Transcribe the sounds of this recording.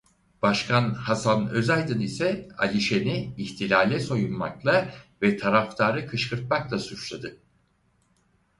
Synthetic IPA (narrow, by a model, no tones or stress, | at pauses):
b̥aʃkʰanhasanøzajd̪ɯnisɛa̰lʲiʃeniːçt̪ʰilʲaːlʲɛso̞junma̰klˠavɛt̪ʰaɾaft̪ʰaːɾɯkʰɯʃkʰɯɾt̪̚maklˠasut͡ʃlˠad̪ɯ